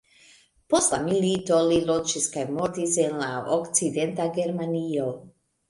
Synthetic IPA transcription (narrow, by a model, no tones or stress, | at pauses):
post̪lamilit̪olilod͡ʒiskajmoɾt̪isenlaokt͡sid̪ent̪aɡeɾmanijo